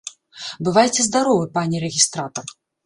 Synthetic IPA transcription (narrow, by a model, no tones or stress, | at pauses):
bɨvajt͡sʲɛzd̪aɾɔvɨpanʲiɾɛɣʲist̪ɾat̪ɐr